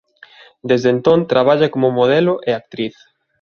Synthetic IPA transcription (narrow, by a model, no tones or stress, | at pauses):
d̪ezðent̪õnt̪ɾaβ̞aʎakomʊmoð̞elʊʔeak̚t̪ɾiθ